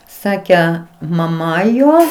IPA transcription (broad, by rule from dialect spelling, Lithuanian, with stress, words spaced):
ˈsɑːkʲɛ mɐˈmɐ ˈjoː